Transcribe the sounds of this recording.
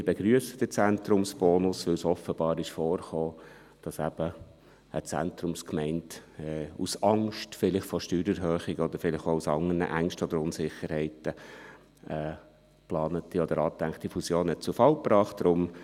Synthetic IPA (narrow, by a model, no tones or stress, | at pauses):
ɪb̥ɛɡ̥ɾyəsəd̥ət͡sæntɾʊmsb̥ɔːnʊsʋɪlsɔfəb̥ɑːɾɪʃfɔːrχoː | d̥ɑsæb̥ə | ə̰t͡sæ̰nt̪ɾʊmskmɛɪntɛusɑŋʃtfɪlɪχfɔʃtyːɾɛɾɦøːχɪɡəɔd̪əɾfɪlɪχousɑŋənə̰ʔæŋʃtəɔd̪əɾʊnsɪχəɾhɛɪtə | ɛ | plɑːnətiɔd̥̪əɾɑːt̪æŋkt̪ifusjoːnhɛt̚t͡sufɑlpɾɑːχt̚d̥ɾʊm